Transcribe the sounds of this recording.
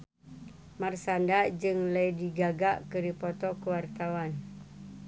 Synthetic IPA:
marsandad͡ʒɨŋləjdiɡaɡaʔkɨɾipɔt̪ɔkəwart̪awan

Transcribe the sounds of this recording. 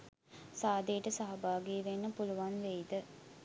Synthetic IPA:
saːd̪ejəʈəsaɦɐbaːɡiːʋenːəpuluʋanʋejd̪ə

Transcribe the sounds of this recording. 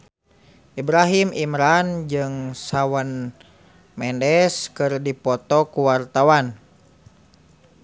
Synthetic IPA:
ʔibɾaɦimimɾand͡ʒɨŋsawan | mɛndɛskɨrdipɔt̪ɔkuwart̪awan

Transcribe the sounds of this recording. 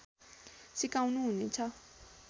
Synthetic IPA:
sikaũnũnit͡ʃʰa

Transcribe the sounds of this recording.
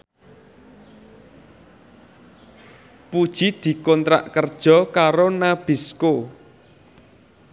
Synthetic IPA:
pud̥ʒ̥id̪̥i̤kɔnt̪ɾa̰ʔkərd̥ʒ̥ɔ̤kaɾonab̥i̤sko

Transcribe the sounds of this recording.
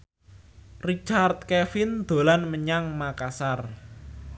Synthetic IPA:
rit͡ʃart̪̚kɛfɪnd̪̥o̤lanməɲaŋmakasar

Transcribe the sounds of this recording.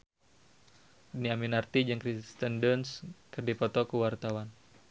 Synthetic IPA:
niaminart̪id͡ʒaŋkɾist̪əndənskɨrdipɔt̪ɔkuwart̪awan

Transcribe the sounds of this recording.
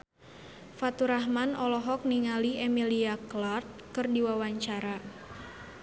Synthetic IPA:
fat̪uɾaɦmanɔlɔɦɔk̚niŋaliʔɛmiliaklart̪̚kɨrdiwawaɲt͡ʃaɾa

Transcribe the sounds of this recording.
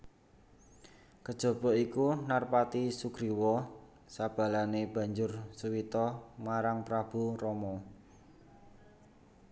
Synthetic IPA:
kəd̥ʒ̥o̤b̥ɔ̤ʔikunarpat̪isuɡ̥ɾiwɔ | sab̥a̤laneb̥a̤ɲd͡ʒʊrsuwit̪ɔmaɾaŋpɾab̥urɔmɔ

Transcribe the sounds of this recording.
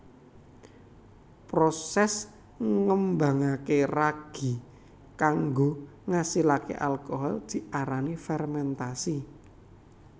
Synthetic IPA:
pɾosɛs | ŋəmba̤ŋakeraɡ̥i̤ | kaŋɡo | ŋasilakḛʔalkoɦɔld̪̥i̤aɾanifɛrmɛnt̪asi

